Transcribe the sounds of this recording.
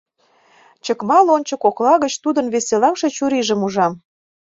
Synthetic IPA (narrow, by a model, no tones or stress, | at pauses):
t͡ɕəkmɑlonʲt͡ɕəkoklɑɣət͡ɕt̪ud̪ənβeselɑmʃe̽t͡ɕuɾiʒə̆muʒɑm